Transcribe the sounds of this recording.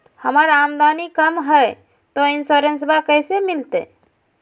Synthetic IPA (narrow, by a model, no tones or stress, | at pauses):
hɐmaːɾaːmd̪aːnikəmɦɛ | t̪oɪnsoːɾənsbakɛːsemɪlt̪ḛ